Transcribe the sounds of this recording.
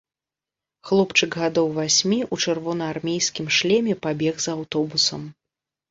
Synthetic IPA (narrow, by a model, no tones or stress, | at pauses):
xlˠɔpt͡ʂɨkɣad̪ɔwvasʲmʲiʔut͡ʂɨrvɔnɐarmʲejskʲimʂlʲɛmʲɛpabʲɛɣzawt̪ɔbusɐ̰m